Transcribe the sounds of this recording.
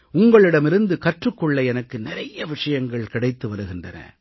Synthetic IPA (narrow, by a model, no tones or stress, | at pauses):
ʊŋɡɐɭɪɽɐmɪɾɯnd̪ɯkɐʈrɯkːɔɭːɐɛnɐkːɯnɪɾɐjɐʋɪʂɐjɐŋɡɐɭkɪɽɐɪt̪ːɯʋɐɾɯɣɪndrɐ̰nɐ̰